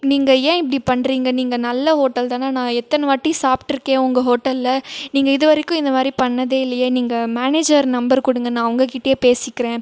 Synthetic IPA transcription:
niːŋɡɐjẽːɪpːɐɽipɐɳːɾiːŋɡɐniːŋɡɐnɐlːɐɦoːʈːɐlt̪aːnaːnãːɛt̪ːɐnɐʋɐʈːisaːpʈɪɾɯkːẽːʊŋɡɐɦoːʈːɐlːɐniːŋɡɐɪðɯʋɐɾɪkːʊ̃ɪnd̪ɐmaːd̪ɾipɐɳːɐðeːɪlːɐjeniːŋɡɐmaːneːd͡ʒɐɾnɐmbɐɾkʊɽɯŋɡɐnãːɐʋɐŋɡɐkɪʈːɐjeːpeːsɪkːɪɾẽː

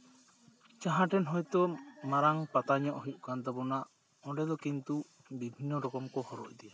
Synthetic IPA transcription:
t͡ʃaɦãʈɛnɦɔjt̪ɔmaɾaŋpat̪aɲɔʔɦuʔ̚ˀkant̪ɛbɔnaʔ | ɔɖɛd̪ɔkint̪u | bibʱinːɔɾɔkɔmkɔhɔɾɔc̚d̪ɛja

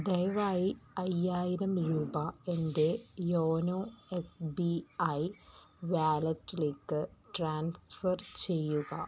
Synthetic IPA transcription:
d̪ejʋaːjiɐjːaːjiɾɐmɾuːbɐe̞nde̞joːnoːesbiɐj | ʋaːlɐtːileːkːɨʈraːnsfɐrt͡ɕe̞jːuɣɐ̰

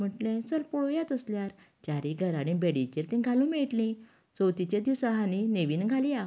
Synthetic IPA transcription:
m̤əʈlẽsəlpɔɭojat̪əsljaɾ | t͡ɕaɾiɡʱəɾaɽ̃ĩbeɽit͡ɕiɾt̪ĩɡʱalũmɛʈlĩ | t͡səwt̪it͡ɕed̪isaɦanineʋiːnɡʱalia

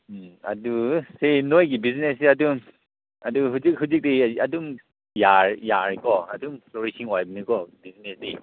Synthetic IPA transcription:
a̰dusenojɡibiznesiadum | aduɦuzik̚ɦuzik̚deiadum | jaɹjaɹikɔadumstɔɾisʰiŋwajbinikɔbiznesdi

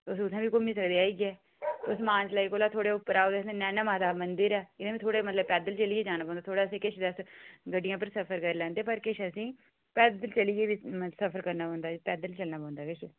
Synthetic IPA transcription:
ʊsʊsʰãːʋiːkomĩːsəkd̪eːaːiːɡɪɛː | ʊsmãːt͡ʃlaːiːkoːlaːt̪ʰoːɽeːʊpːəɾaːoːd̪eːsenɛːnaːmãːt̪aːmənd̪əɾɛːɪd̪ãbiːt̪ʰoːɽeːmət̪ləb̚pɛːd̪əlt͡ʃəliːeːd͡ʒaːnaːp̬ɔ̃ːnd̪aːt̪ʰoːɽaːsẽːkɪʃʰd̪əsɡəɖːɪjãːp̬əɾsəpʰəɾkəɾlɛ̃ːnd̪eːpəɾkɪʃəsĩː | pɛːd̪əlt͡ʃəliːɡeːbiːsəpʰəɾkəɾnaːpɔ̃ːnd̪aːd͡ʒpɛːd̪əlt͡ʃəlnaːpɔ̃ːnd̪aːkɪʃ

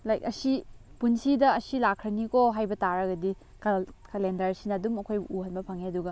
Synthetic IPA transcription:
lajk̚ɐsipunsidɐːsilakʰːɾɐnikoɦajbɐtaɾɐɡɐdi | kkɐlendɐɾsinɐːdumɐkʰojuhɐnbɐpʰɐŋeɐduɡɐ

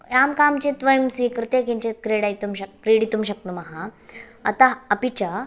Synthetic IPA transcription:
jamkamt͡ɕet̪ʋəjmsʋikɾɨt̪ekiɲt͡ɕekɾeɽajt̪umɕɐkɾeɽit̪umɕɐknumɐɦãɐt̪aɐpit͡ɕa

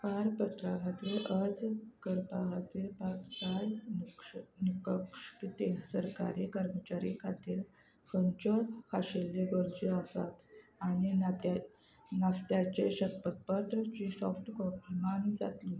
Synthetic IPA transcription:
paɾpət̪ɾakʰat̪ʋeɾʔəd͡zɡəɾpakat̪iɾpaɡtaj | nikəkʂkit̪esəɾka̰ɾikəɾmət͡ɕaɾikʰat̪iːɾ | kəɲt͡ɕod̪kʰaɕelːeɡəɾd͡ʑeasat̪aɽ̃i | nast̪jat͡ɕeɕəkpət̪̚pət̪ɾət͡ɕisɔfʈkɔpmand͡za̰t̪li

